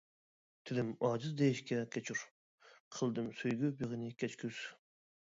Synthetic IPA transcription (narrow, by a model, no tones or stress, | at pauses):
t̪ʰɪlɪmɑːd͡ʒɨzd̪ejiʃkʲɛkʲʰɛt͡ʃʰyɾ | qʰəlˠd̪ɨmsyjɡʲybeʁɨnɪkʲʰɛt͡ʃkʰʲyz̥